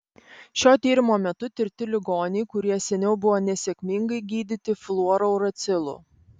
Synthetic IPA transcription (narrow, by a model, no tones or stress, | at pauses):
ʃʲoːt̪ʲiːɾʲɪmoːmʲɛt̪ʊt̪ʲɪɾʲt̪ʲɪlʲɪɡoːnʲɪɪkʊɾʲiɛsʲɛnʲɛʊbʊʋoːnʲɛsʲɛkʲmʲiŋɡɐɪɡʲiːd̪ʲɪt̪ʲɪflˠuɔɾoʊɾɐt̪sʲɪlˠʊ̰